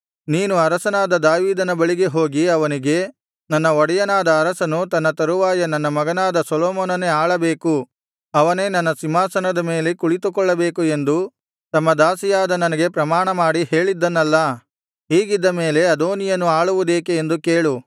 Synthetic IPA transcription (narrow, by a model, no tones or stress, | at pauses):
niːnuɐɾɐsɐnaːd̪ɐd̪aːʋiːd̪ɐnɐbɐɭiɡe̞ɦo̞ːɡiɐʋɐniɡe̞ | nɐnːɐɔɽɐjɐnaːd̪ɐːɾɐsɐnut̪ɐnːɐt̪ɐɾuʋaːjɐnɐnːɐmɐɡɐnaːd̪ɐsɔloːmoːnɐneaːɭɐbe̞ːku | ɐʋɐne̞ːnɐnːɐsimaːsɐnɐd̪ɐme̞ːle̞kuɭit̪ukɔɭːɐbe̞ːkue̞nd̪u | t̪ɐmːɐd̪aːsijaːd̪ɐnɐnɐɡe̞pɾɐmaːɳɐmaːɽihe̞ːɭid̪ːɐnːɐlːɐ | ɦiːɡid̪ːɐme̞ːle̞ɐd̪oːnijɐnuaːɭuʋud̪eːkeːnd̪uke̞ːɭu